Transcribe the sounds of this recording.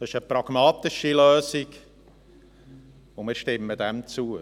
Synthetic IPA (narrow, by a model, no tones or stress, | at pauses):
dɑɪʃəpɾɑɡ̥mɑːt̪ɪʃiløːzɪɡ | ʊmɪːɾʃtɪməd̪ɛmt͡suə